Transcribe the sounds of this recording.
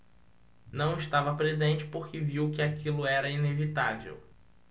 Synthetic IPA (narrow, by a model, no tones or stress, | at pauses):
nɐ̃w̃ɪʃt̪avɐpɾezẽnt͡ʃɪ̥poɾkɪviwkɪakilʊɛɾɐinevit̪avḛw